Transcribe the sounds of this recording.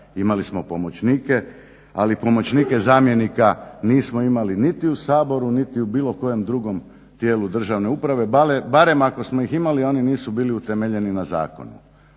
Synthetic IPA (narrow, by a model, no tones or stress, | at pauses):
imalismo̞pomo̞t͡ɕniːke̞ | alipo̞mo̞t͡ɕniːke̞zaːmje̞nikaniːsmoimalinit̪iusaːbo̞ɾunit̪iubiːlo̞ko̞je̞md̪ɾuɡo̞m | t̪jeːlud̪r̩ʒaʋne̞upɾaʋe̞balebaɾe̞mako̞smo̞iximalio̞ːniniːsubiːliut̪e̞meʎe̞ninaza̰ːko̞̰nṵ